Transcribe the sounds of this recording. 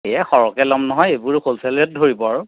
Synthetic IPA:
ejɛxɔɹɔkɛlɔmnɔɦɔjebuɹkolsaliɛt̚dʱoɹibɔaɹʊ

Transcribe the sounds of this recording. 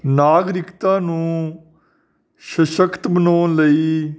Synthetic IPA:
naːɡɾɪkt̪ãːnũː | ʃəʃəkt̪bənoːnləiː

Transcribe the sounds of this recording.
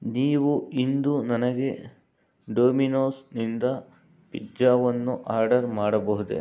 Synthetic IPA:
niːʋuind̪unɐnɐɡe̞ | ɖoːminoːsnind̪ɐ | pid͡ʒaːʋɐnːuʔaːɾɖɐɾmaːɽɐbɐɦud̪ḛ

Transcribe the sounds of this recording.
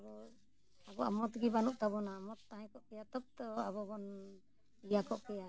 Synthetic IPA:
abɔ | abɔa̰mɔt̪ɡibanuʔt̪abɔnaːmɔt̪ːaɦãkɔʔkɛjat̪ɔp̚t̪ɔabɔbɔn | ijakɔʔkɛja

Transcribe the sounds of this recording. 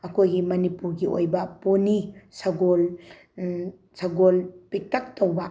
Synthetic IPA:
ɐkʰojɡimɐnipuɾɡiʔo̰jbɐponisɐɡol | sɐɡolpik̚tɐk̚towbɐ

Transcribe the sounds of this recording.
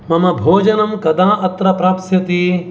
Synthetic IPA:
mɐmɐbʱoːd͡ʒɐnɐmkɐd̪ãːʔɐt̪ɾɐpɾaːpsjɐt̪i

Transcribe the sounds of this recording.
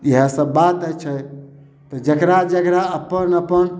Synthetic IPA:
iɦəsəbbat̪ət͡ʃʰə | t̪ɔd͡ʒəkɾad͡ʒəkɾaəpənəpən

